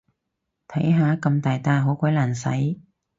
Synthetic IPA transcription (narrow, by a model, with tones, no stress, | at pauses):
t̪ʰɐ˨˥jɦaː˨˧˥kɐ˧mt̪aː˨jt̪aː˧nɦo˨˥wkʷɐ˨˥jlaː˨˩nsɐ̰˨˥j